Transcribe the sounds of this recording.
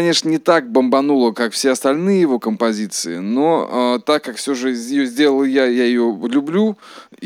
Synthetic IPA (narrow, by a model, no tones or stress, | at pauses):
nʲe̞ʂnənʲɪt̪ak̚bəmbɐnulˠəkakfsʲeɐst̪ɐlʲnɨjəjɪvo̞kəmpɐzʲit̪sɨɪnoət̪akːakfsʲo̞ʐɨjɪjozʲdʲe̞lˠəlˠjajajɪjolʲʊblʲu